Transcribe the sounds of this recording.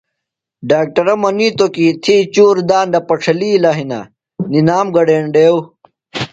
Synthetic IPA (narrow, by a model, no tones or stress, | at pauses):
ɖaːk̚ʈɐɾɐmɐniːt̪okit̪ʰit͡ɕuːɾd̪aːnd̪ɐpɐʈ͡ʂʰɐliːlaɦinɐ̰ | ninaːmɡɐɖeːɳɖeːw